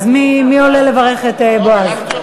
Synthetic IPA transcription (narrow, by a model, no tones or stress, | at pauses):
zmimio̞lele̞vaʁeχet̪eboaz